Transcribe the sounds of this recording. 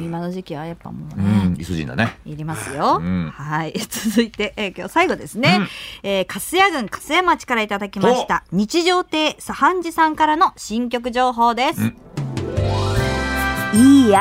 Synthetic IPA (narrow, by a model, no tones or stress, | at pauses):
imano̞ʑikʲiβajapːa̰moːnẽḭsoʑḭ̃nd̪a̰neiɾʲimasɨjõ̞hait͡sɨzɨit̪e̞ʔekʲo̞ːsaiɡo̞d̪e̞sɨne̞eːkʰasɨjaɡɯ̟̃ŋkḁsɨjamat͡ɕi̥kaɾait̪ad̪akʲimaɕi̥t̪aɲ̟it͡ɕiʑo̞ːt̪e̞ːsahãɲ̟d͡ʑisãŋkaɾano̞ɕĩŋk̬ʲo̞k̬ɯ̟ʑo̞ːɦo̞ːd̪e̞sɨ | iː